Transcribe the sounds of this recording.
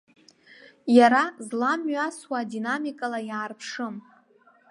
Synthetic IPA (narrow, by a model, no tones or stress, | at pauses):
jaɾazlamɥaswadinamikʼalajaːrpʰʂɨm